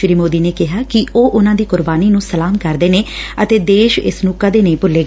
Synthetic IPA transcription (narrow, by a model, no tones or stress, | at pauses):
ʃɾiːmoːd̪iːneːkɪɦaːkɪʔoːʔʊnãːd̪iːkʊɾbaːniːnũːsəlaːmkəɾd̪eːneːət̪eːd̪eːʃɪ̰snʊkːaːd̪eːnəĩːpʊlːeːɡ